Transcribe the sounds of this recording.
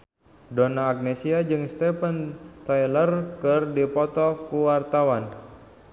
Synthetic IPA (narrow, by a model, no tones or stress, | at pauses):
donaːk̚nesiad͡ʒɨŋst̪ɛfənt̪ajlərkɨrdipɔt̪ɔkuwart̪awan